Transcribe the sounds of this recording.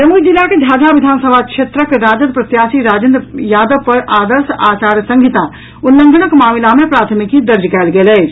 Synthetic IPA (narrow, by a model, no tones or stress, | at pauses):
ɾəmud͡ʒilːaked͡ʒʱad͡ʒabid̪ʱansəbʱakʃʰet̪ɾəkɾad͡ʒəd̪pɾət̪jasiɾad͡ʒənd̪jad̪əʋpəɾʔad̪əɾsat͡ʃaɾjəsəŋɡʱit̪a | unləŋɡənəkmamilamepɾat̪ʰmikid̪əɾd͡ʒkɛɪlɡelɛt͡ʃ